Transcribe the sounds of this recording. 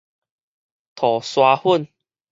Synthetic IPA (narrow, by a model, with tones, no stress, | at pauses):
t̪ʰɔ˨˩swa˧hu˥˨n